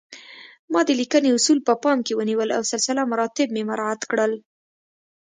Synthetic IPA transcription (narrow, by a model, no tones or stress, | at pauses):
mɑd̪əlikəneʊsulpəpɑmkewəniwəla̰wsɪlsɪlamaɾɑt̪ɪb̚memaɾɑat̪kɽəl